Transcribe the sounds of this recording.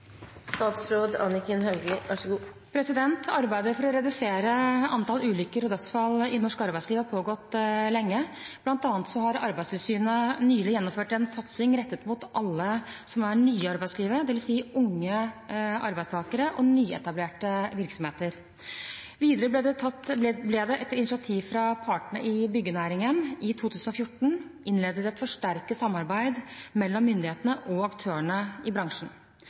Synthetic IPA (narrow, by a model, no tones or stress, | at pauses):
st̪ɑːt̪sɾoːd̪ɑ̰nɪkənɦœʉɡɪɑʂəɡuː | pʰɾɛsɪd̪ɛnt̪ʰɑɾbæɪd̪əɾfɔɾɔɾɛd̪ʉseːɾəɑnt̪ʰɑːlʉːlʏkːəɾɔd̪œt̪sfɑlːɪnɔʂkɑɾbæɪsliːʋəpʰoːɡɔt̪ːlɛŋːəb̥lɑnt̪ɑːnt̪sɔɦɑɾɑɾbæɪst̪ʰɪlsyːnənyːlɪjɛnːɔmføːʈɛnsɑt̪sɪŋɾɛt̪ːət̪mʊt̪ʔɑlːəsɔmæɳyːəɑɾbæɪdsliːʋəd̪ɛʋɪlsiːʊŋːəʔɑɾbæɪst̪ʰɑːkəɾəʔɔnyːɛ̰t̪ɑbleːʈəʋɪɾksɔmheːt̪əɾ | ʋiːd̪əɾəblɛd̪ɛɑt̪blɛd̪ɛʔɛt̪ɪnɪʂɪɑt̪ʰiːʋfɾɑpʰɑʈəɳəʔɪbʏɡːənæːɾɪŋənɪt̪ʰuːt̪ʰʉːsnɔfjʊʈːɳ̩ʔɪnleːd̪əd̪ɛɛt̪fɔʂʈæɾkəsɑmːɑɾbæɪd̪mɛlːɔmːʏnd̪ɪheːt̪ənəʔɔɑkt̪ʰøːəɳəɪbɾɑŋʂɳ̩